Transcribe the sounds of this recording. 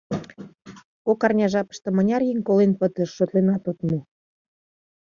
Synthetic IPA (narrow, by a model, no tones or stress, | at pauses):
kokɑrnʲɑʒɑpə̥ʃt̪ɤ̆mənʲɑrjeŋʲkolenpə̆t̪əʃːøt̪lenɑt̪ot̪mu